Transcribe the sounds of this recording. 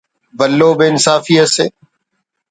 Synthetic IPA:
ʋəlːoːbeɪnsaːfiːəsḛː

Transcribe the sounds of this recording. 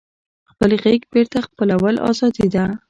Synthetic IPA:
xpəlɣeɡbeɾt̪axpəlawəlʔɑ̰zɑd̪id̪a

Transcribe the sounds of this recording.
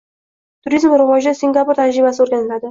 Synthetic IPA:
t̪ʰʊɾizmɾɪvɒd͡ʒ̪asɪŋɡʲapʊɾt̪ʰad͡ʒɾɪbasɪoɾɡʲanɪlad̪ɪ

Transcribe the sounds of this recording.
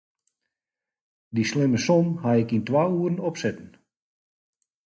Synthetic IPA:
dislɪməsɔmhaɪkintwaːuərn̩ɔpsɛtn̩

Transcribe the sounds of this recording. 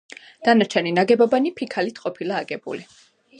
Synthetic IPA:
d̪̥anat͡ʃʰɛninaɡɛbabanipʰikʰalit̪ʰqʼɔpʰilaːɡɛbṵli

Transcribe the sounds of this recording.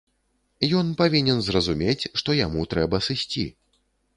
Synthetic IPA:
jɔnpavʲinʲɛnzrɐzumʲet͡sʲʂt̪ɔjamut̪ɾɛbɐsɨsʲt͡sʲḭ

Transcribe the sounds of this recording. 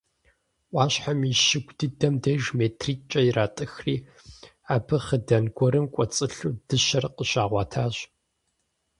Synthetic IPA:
ʔʷɑːɕħamiʃɪɡʷʼdɨdɐmdejʒmeːtʰriːt͡ʃʼɐjiraːtʼɨxriː | aːbʰɨχədɐnɡʷɔɾɨmkʷʼɔt͡sʼɨɬuːdɨʃɐrqʼəɕaːʁʷɑːtʰaːɕ

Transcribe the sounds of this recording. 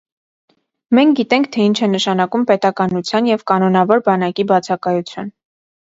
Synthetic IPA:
mɛŋk̚ʰɡit̪ɛŋk̚ʰt̪ʰɛint͡ʃʰɛnəʃɑnɑkumpɛt̪ɑkɑnut͡sʰjɑnjɛvkɑnɔnɑvɔɾbɑnɑkibɑt͡sʰɑkɑjut͡sʰjɑn

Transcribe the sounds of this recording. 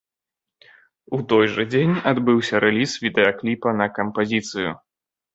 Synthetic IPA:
ut̪ɔjʐɐd͡zʲenʲad̪bɨwsʲɐɾʔɛlʲisvʲid̪ɛɐklʲipɐnɐkɐmpazʲit̪sɨjṵ

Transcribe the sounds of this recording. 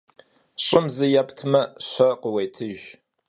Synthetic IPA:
ɕʼʊmzɨjapʰtʰmɐɕʷɐqəwejtʰɨʒ

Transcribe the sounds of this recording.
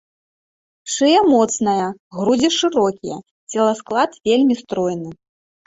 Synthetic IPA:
ʂɨjɐmɔt̪snɐjɐɣɾud͡zʲɛʂɨɾɔkʲijɐ̰ | t͡sʲɛlˠɐsklˠat̪vʲelʲmʲist̪ɾɔjnɨ

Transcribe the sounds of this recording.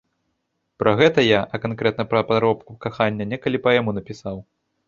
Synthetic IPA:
pɾʔɐɣɛt̪ɐjaʔɐkankɾɛt̪nɐpɾɐpaɾɔpkukaxanʲːɐnʲɛkɐlʲipɐjamunɐpʲisaw

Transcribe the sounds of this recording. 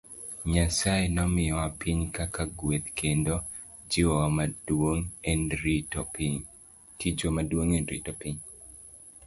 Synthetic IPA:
ɲasaenɔmɪjɔwapʰiɲkakaɡwet̪kʰendo | d͡ʒɪwɔmadoŋɛnɾtpɲ | tid͡ʒomadwoŋɛnɾḭtɔpiɲ

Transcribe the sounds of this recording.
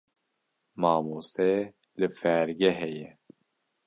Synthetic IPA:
mɑːmust̪ɛ | lɨfɛɾɡɛɦɛjɛ

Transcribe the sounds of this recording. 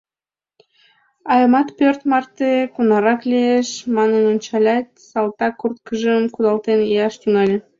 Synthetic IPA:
ɑjmɑt̪pørt̪mɑrt̪ekunɑɾɑklʲeeʃmɑnənənʃɑlʲɑt̪̚ʲsɑlˠt̪ɑkːurt̪kəʒəmkud̪ɑlˠt̪enijɑʃt̪yŋɑlʲ

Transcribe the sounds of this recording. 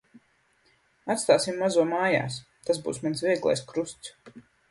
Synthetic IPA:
at̪st̪aːsimːazuɔmaːja̰ːs | t̪azbṵːsmansvʲiɛɡlˠa̰jskɾust̪s

